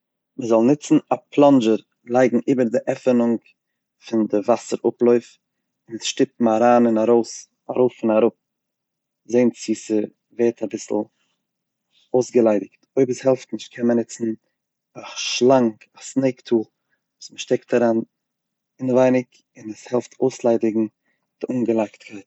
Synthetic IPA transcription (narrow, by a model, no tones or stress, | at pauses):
məzɔlˠnɪt͡sn̩apʰlˠɔnd͡ʒəɾ | lˠaɪɡŋ̩ʔiːbəɾdɪʔɛfənʊŋ | fɪndɪvasəɾʔʊplˠɔʏf | ɪnɛsʃtɪp̚m̩aɾaːnɪnaɾoʊs | aɾoʊfɪnaɾʊp̚ | zeɪnt͡siːsə | veːɾtʰabɪsl̩ˠ | oʊsɡəlˠaɪdɪktoɪbəshɛlˠftnɪʃt̚kʰɛnmənɪt͡sn̩ | aʃlˠaŋkasneɪktʰuːlˠ | vuːsməʃtɛktaɾaːn | ɪnvaɪnɪk | ɪnəshɛlˠftʰoʊslˠaɪdɪɡŋ̩ | d̥ɪʔuːŋɡəlˠaɪktkʰaɪt